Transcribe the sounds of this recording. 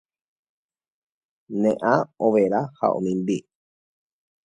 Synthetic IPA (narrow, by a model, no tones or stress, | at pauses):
nẽʔãoʋeɾaha̰ʔõ̰mĩmbi